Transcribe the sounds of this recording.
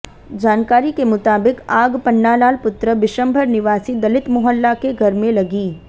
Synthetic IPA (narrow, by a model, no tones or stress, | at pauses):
d͡ʒaːnkaːɾikemʊt̪aːbɪkaːɡpɐnːalaːlpʊt̪ɾəʋɪʃə̃mbʱəɾnɪʋaːsid̪ɐlɪt̪mʊɦəlːakeɡʱɐɾmẽlɐɡiː